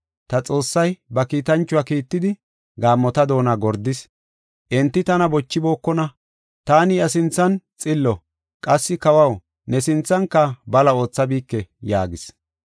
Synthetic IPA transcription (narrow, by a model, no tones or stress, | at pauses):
t̪ɐt͡sʼo̞ːsːɐjbɐkiːt̪ɐnt͡ʃːʊwaːkiːt̪ːɪd̪ɪ | ɡaːmːɔt̪ɐd̪o̞ːnaːɡɔɾd̪ɪs | ʔɛnt̪ːɪt̪ɐnɐbɔt͡ʃːɪbo̞ːkːɔnɐ | t̪aːnɪɐs̬ɪnt͡sːɐnt͡sʼɪlːɔ | kʼɐsːɪkɐwɐw | nɛsɪnt͡sːɐŋkːɐbɐlɐo̞ːt͡sːɐbiːkːɛjaːɡɪs